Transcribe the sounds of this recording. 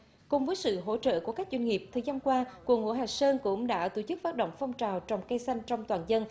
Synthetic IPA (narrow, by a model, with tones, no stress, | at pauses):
kʊ˨˩ŋ͡mvəː˨˦jsɨ̰˧˨ɦo̰˧˥t͡ɕə̰ː˧˨ku˧˩əkaː˦˥k̚zwe˧jŋŋi˨˩əp̚t̪ʰəː˨˩jzaː˧nkwaː˧kwu˨˩əŋho̰˧˦ɦaː˨˩səː˧nkʊ̰˧˥ŋ͡mɗa̰ː˧˥t̪o˧˩t͡ɕɨ˦˥k̚faː˦˥t̚ɗə̰˧˨wŋ͡mfɔ˧wŋ͡mt͡ɕaː˨˩wt͡ɕɔ˨˩wŋ͡mka˧jsa˧jŋ̟t͡ɕɔ˧wŋ͡mt̪waː˨˩nzə˧n